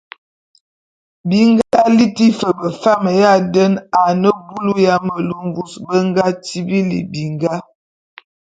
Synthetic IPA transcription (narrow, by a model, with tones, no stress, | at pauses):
bi˨ŋɡa˦a˨li˦ti˦fə˨bə˨fa˦mə˨ja˦də˦na˨nə˦bu˦lu˦ja˦mə˨lu˦ɱ˦vu˦sbə˦ŋɡa˦ti˦bi˦lḭ˨bi˨ŋɡa˦